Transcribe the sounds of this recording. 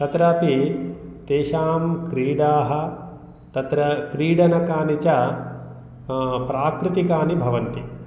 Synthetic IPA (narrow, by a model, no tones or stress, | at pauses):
t̪ɐt̪ɾɐpit̪eːʃaːmkɾiːɖaːɦɐ̆ | t̪ɐt̪ɾɐkɾiːɖɐnɐkaːnit͡ʃɐ | pɾaːkɾɪt̪ikaːnibʱɐʋɐnt̪i